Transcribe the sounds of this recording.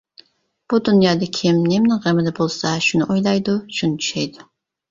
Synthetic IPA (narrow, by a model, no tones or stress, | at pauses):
b̥ud̪unjɑːd̪ɨkʲʰɪmnɪmnɪŋʁemɪd̪ɛbolˠsɑʃunɨʔojlˠɑjd̪uʃunɪt͡ʃʰy̥ʃɛjd̪u